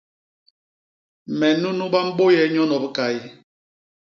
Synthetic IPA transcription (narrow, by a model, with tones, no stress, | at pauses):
mɛ˨nu˦nu˦ba˦m̩˦bo˦jɛ˨˦ɲɔ˦nɔ˨bə˦ka˨i˦